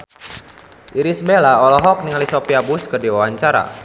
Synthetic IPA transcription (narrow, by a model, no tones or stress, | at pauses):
ʔiɾisbelaɔlɔɦɔk̚niŋalisopiabuskərdiwawaɲt͡ʃaɾa̰